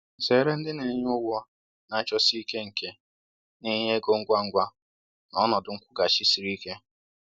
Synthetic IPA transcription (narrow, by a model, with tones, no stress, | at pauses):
se˨˦ɾe˦n̩˦dɪ˦ne˨˦ɲ˦ʊ˦wɔ˦ | na˨˦t͡ʃɔ˦si˦ke˦ŋ̩˨ke˦ | ni˦ɲe˦ɡo˦ŋ̩˦ɡʷa˦ŋ̩˦ɡʷa˦ | nɔ˨˦nɔ˨dʊ˨ŋ̩˦kʷʊ˦ɡa˨ʃi˦si˨ɾi˦ke˦